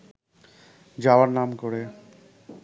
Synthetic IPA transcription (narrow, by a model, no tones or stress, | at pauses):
d͡ʑawaɾnamkoɾe